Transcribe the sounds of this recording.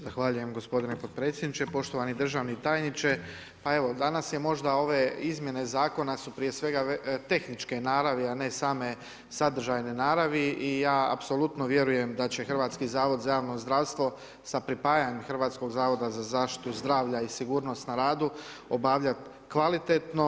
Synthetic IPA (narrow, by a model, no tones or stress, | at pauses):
zaxʋaʎuje̞mɡo̞spo̞d̪ine̞pod̪̚pɾe̞t̪sʲje̞d̪nit͡ʃe̞po̞ʃt̪o̞ʋanid̪ɾr̩ʒaːʋnit̪aːjnit͡ʃe̞ | pae̞ʋo̞d̪anasje̞mo̞ʒd̪ao̞ʋe̞izmje̞ne̞zaːko̞nasupɾije̞sʋe̞ɡat̪e̞xnit͡ʃkenaːɾaʋiane̞saːme̞ | sad̪r̩ʒajninaːɾaʋiijaːa̰pso̞lˠut̪no̞ʋje̞ɾuje̞md̪at͡ɕe̞xr̩ʋaːt̪skizaːʋo̞d̪zajaːʋno̞zd̪ɾaʋst̪ʋo̞ | sapɾipaːjaɲemxr̩ʋaːt̪sko̞ɡzaːʋo̞d̪azazaːʃt̪i̥t̪uzd̪ɾaːʋʎaisiɡuːɾno̞st̪naɾaːd̪u | o̞baːʋʎat̪ | kʋalit̪et̪no